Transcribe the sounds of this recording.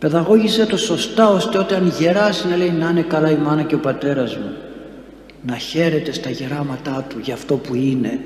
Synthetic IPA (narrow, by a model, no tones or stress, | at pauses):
pe̞ðɐɣo̞ʝise̞t̪o̞so̞st̪ɐo̞st̪e̞ot̪iɐnʝe̞ɾɐsinɐle̞inɐine̞kɐlɐimɐnɐce̞o̞pɐt̪e̞ɾɐzmu | nɐçe̞ɾe̞t̪e̞st̪ɐʝe̞ɾɐmɐt̪ɐt̪uʝɐft̪o̞puine̞